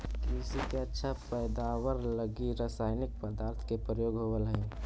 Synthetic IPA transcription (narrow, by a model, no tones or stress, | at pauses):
kisikeətːʃʰapɛːd̪aːwəɾləɡiɾasaːɪnɪk̚pəd̪aːɾt̪ʰkepɾəjoːɡɦoʋəlɦɛ̃ː